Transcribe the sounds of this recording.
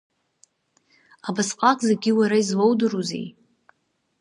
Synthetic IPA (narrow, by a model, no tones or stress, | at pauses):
abasqʼakʼzeɡʲiwaɾaizlowdɨruzḛj